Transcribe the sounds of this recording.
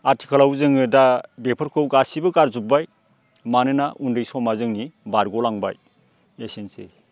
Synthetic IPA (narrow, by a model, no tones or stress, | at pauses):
atʰi̥kʰalawzɯŋɯdadepʰɯɾkʰɯwɡasibɯɡaɾzup̚baj | manɯnaʔundɯjsɔmazɯŋnibaɾɡolaŋba̰j | esensḛ